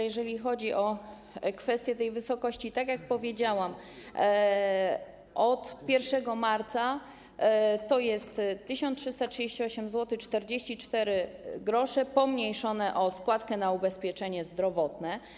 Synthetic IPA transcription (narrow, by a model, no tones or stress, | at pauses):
jɛʐɛlʲixɔd͡ʑiʔɔ | kfɛst̪ʲjɛt̪ɛjvɘsɔkɔɕt͡ɕit̪akjak̚pɔvʲjed͡ʑawam | ʔɔt̪pʲjɛɾfʂɛɡɔmaɾt̪sa | t̪ɔjɛst̪ːɘɕɔ̃ntʂɘst̪atʂɘd͡ʑeɕt͡ɕiɔɕɛmzwɔt̪ɘxt͡ʂt̪ɛɾd͡ʑeɕt͡ɕit͡ʂt̪ɛɾɘɡɾɔʂɛpɔmɲejʂɔnɛʔɔskwat̪kɛnaubɛspʲjɛt͡ʂɛɲɛzd̪ɾɔvɔt̪nɛ